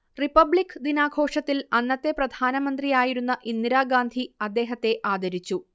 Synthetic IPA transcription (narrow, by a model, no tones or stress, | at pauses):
ripɐbɭikːɨd̪inaːɡʱo̞ːʂɐt̪ːilɐnːɐt̪ːe̞prɐd̪ʱaːnɐmɐnd̪rijaːjiɾunːɐʔind̪iɾaːɡaːnd̪ʱiɐd̪ːe̞ːɦɐt̪ːe̞ʔaːd̪ɐɾit͡ɕːu